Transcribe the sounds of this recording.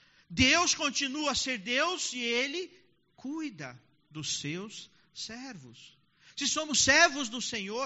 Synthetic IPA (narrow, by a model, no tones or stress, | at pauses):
d̪ewskõnt͡ʃinuɐseɾd̪ewsɪelɪ | kujd̪ɐ | d̪ʊsews | sɛɾvʊs | sɪsõmʊsɛɾvʊzd̪ʊsẽɲo